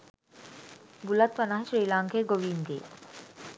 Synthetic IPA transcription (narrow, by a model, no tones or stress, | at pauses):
bulat̪pɐnaɦʃɾiːlaŋkʰeɡoʋiːnd̪ḛː